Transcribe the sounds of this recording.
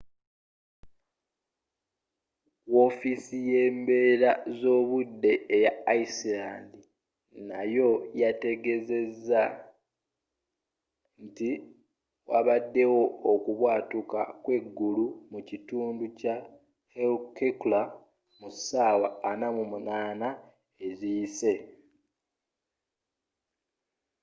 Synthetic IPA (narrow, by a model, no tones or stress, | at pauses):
wo̞fisije̞ːmbe̞ːɾazo̞ːβudːe̞ːjaːisilaːndi | najo̞jate̞ɡe̞ze̞zːa | nti | waβadːe̞wo̞okuβwaːtuka̰kwe̞ɡːulumucituːnduca | helkekula | musaːwaːnamumunaːna | e̞zijise̞